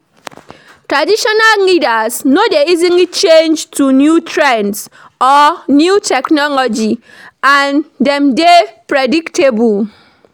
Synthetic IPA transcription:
tɹadiʃɔnallidasnodeizĩnlit͡ʃẽnd͡ʒtunjutʰɹɛ̃nds | ɔnjutʰɛknɔlɔd͡ʒi | ãndɛ̃mdepɹediktʰebul

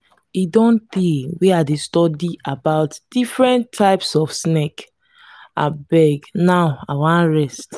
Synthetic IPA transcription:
idɔ̃nt̪iwiadestɔdiʔabaʊtd̥ifɹɛ̃ntʰːaɪpsɔfsnek | a̰bɛɡnaʊa̰wãnɹɛst

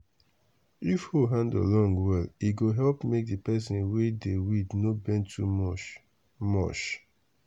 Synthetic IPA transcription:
ifhoɦãndə̰lɔ̃ŋɡwɛliɡoɦɛlpmek̚dipɛs̬ĩnwedewidnobɛ̃ntʰumɔ | mɔ̰t͡ʃ

